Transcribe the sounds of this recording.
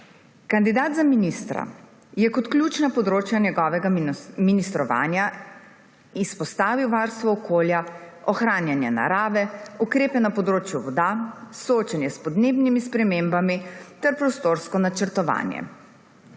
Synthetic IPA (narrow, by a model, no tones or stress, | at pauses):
kand̪id̪aːd̪zaminist̪ɾa̰ | jɛkɔt̪klʲjuːt͡ʃnapɔd̪ɾoːt͡ʃjanjɛɡɔːʋɛɡaminist̪ɾɔʋa̰ːnja | ispɔst̪aːʋiwʋaɾst̪ʋɔɔkʰoːlja | ɔxɾaːnjanjɛ̰na̰ɾaːʋɛukɾeːpɛnapɔd̪ɾoːt͡ʃjuʋɔd̪asɔoːt͡ʃanjɛspɔd̪neːbnimispɾɛmeːmbamit̪ɛɾpɾɔst̪oɾskɔnat͡ʃɛɾt̪ɔʋa̰ːnjɛ̰